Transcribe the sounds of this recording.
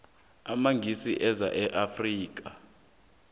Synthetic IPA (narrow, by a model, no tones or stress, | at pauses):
amaŋɡʱisiʔɛza̰ʔɛʔafriːk̬ʼa